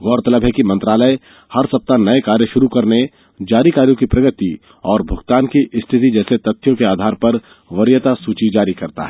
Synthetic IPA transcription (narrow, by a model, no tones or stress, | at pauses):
ɡɔːɾt̪ɐləbɦɛkimɐ̃nt̪ɾaːləe | hɐɾsɐp̚t̪anɐekaːɾjəʃʊɾukɐɾne | d͡ʒaːɾikaːɾjõkipɾɐɡət̪i | ɔːɾbʱʊɡt̪aːnkiʔɪst̪ʰɪt̪̬id͡ʒɛːset̪ɐt̪ʰːjõkeaːd̪ʱaːɾpɐɾ | ʋɐɾjət̪asuːt͡ʃid͡ʒaːɾikɐɾt̪a̰ɦɛː